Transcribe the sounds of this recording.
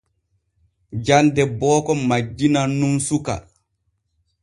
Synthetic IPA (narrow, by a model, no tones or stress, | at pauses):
d͡ʒandɛbɔːkɔmad͡ʒːinanumsuka̰